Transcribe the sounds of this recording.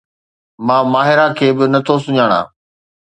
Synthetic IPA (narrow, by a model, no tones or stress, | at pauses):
mãːmaːɦɪɾakʰeːbɪnɐt̪ʰosʊɲaːɽ̃ã̰ː